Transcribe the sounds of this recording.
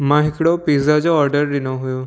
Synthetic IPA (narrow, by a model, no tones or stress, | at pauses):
mãɦɪkɽopizad͡ʒoɔːɾɖəɾdɪnoɦʊjoː